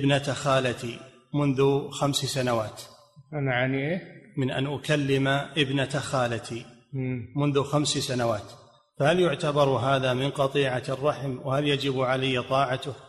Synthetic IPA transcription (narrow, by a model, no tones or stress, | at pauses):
ɪbnat̪axaːlat̪i | mʊnðʊxamssanawaːt̪ | ʔanaʕaniʔeːmɪnʔa̰nʔʊkalːɪmaʔɪbnat̪axaːlat̪i | mʊnðʊxamssanawaːt̪ | fahaljʊʕt̪abɑɾˤɦaːðamɪnqɑt̪ˤiːʕarˤːɑħmwhaljad͡ʒɪbʕalajːat̪ˤɑːʕat̪ʊh